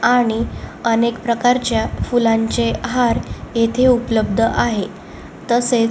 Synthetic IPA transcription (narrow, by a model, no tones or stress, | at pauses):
aɽ̃iənekpɾəkaɾt͡ɕjafulãɲt͡ɕeɦaɾjet̪ʰeupləbd̪ʱəʔaɦe | t̪əset͡s